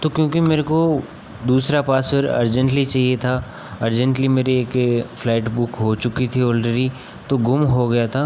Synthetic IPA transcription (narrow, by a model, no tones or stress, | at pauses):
t̪okjõːkimeːɾeko | d̪uːsɾapaːsfɪɾɐ̰ɾd͡ʒə̃ɳʈlit͡ʃaːɦiet̪ʰa | ɐɾd͡ʒə̃ɳʈlimeːɾeeːkfʰlaːɪʈbʊkɦot͡ʃʊkit̪ʰiɔːlɖeɾi | t̪oɡʊmɦoɡɐjat̪ʰaː